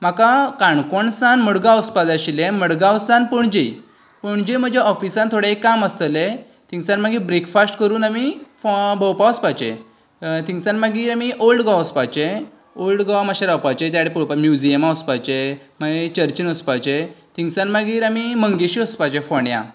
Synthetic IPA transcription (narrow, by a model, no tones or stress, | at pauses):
m̤akakaɳkɔɳsanməɽɡaɔspad̪aɕilẽməɽɡãwsãnpəɳd͡ʑej | pəɳd͡ʑem̤əd͡ʑʱaɔfisãnt̪ʰoɽeekːaməst̪əle | t̪ʰĩŋɡsanmaɡiːbɾekfasʈkəɾuːnamifbʱəwpaəspat͡ɕḛ̃ | t̪iŋsanmaɡiːɾamiʔolɖɡaəspajt͡ɕe | olɖɡawmaɕeɾawpat͡ɕet̪jaɽepəwpamjud͡ʑijəmaəspajt͡ɕe | maɡet͡ɕəɾt͡ɕinəspajt͡ɕet̪ʰiŋsanmaɡiːɾamiməŋɡeɕiəspat͡ɕefɔɳjã̰